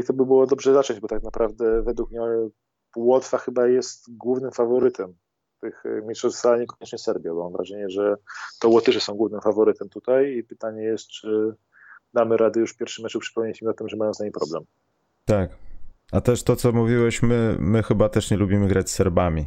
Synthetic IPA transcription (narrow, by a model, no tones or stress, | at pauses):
it̪ɔbɘbɘwɔd̪ɔbʐɛzat͡ʂɔ̃ɲd͡ʑbɔt̪ak̚napɾavd̪ɛvɛd̪wukmɲɛ | wɔt̪faxɘbajɛst̪ɡwuvnɘmfavɔɾɘt̪ɛm | t̪ɘxmʲitʂɔssaaɲɛkɔɲɛt͡ʂɲɛsɛɾbʲjabɔmaɱvɾʔa̰ʐɛɲɛʐɛt̪ɔwɔt̪ɘʂɛsɔ̃w̃ɡwuvnɘmfavɔɾɘt̪ɛmt̪ut̪ajipɘt̪aɲɛjɛst̪̚t͡ʂɘ | d̪amɘɾad̪ɛjuʂfpʲɛɾfʂɘmːɛt͡ʂupʂɘ̥kɔiɲɛɕɛmiat̪ɘmʐɛmajɔ̃t̪zaɲijpɾɔblɛ̰m | t̪akat̪ɛʂt̪ɔt̪sɔmuvʲiwɛɕmɘmɘxɘbat̪ɛʂɲɛlubʲimɘɡɾat͡ɕsɛɾbamʲi